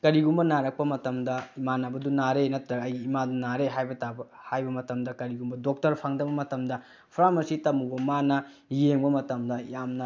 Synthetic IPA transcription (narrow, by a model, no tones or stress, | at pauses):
kɐɾiɡumbɐnaɾɐk̚pɐmɐtɐmdɐimanabɐdunaɾenɐtɾɐɡɐjɡiːmadunaɾeɦajbɐtabɐhajbɐmɐtɐmdɐkɐɾiɡumbɐdok̚tɐɾpʰaŋdɐbɐmɐtɐmdɐ | pʰɾamɐsitɐmubɐmanɐ | jeŋbɐmɐtɐmdɐjamnɐ